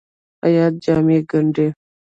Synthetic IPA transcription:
a̰jat̪̚d͡ʒameɡəɳɖe

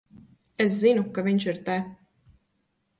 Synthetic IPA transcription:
es̬zinukaviɲt͡ʃiɾt̪ɛ

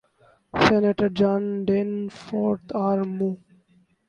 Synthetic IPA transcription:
seneʈəɾd͡ʒãːnɖenfoːɾt̪ʰaːɾmu

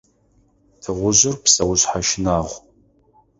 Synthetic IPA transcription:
tʰɨʁʷʊʑɪrpsɐwʊɕħaʃɪnaːʁʷ

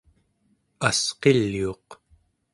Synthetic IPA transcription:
asqelːioq

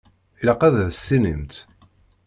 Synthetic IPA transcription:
ilæqæðæðsːinḭmt̪

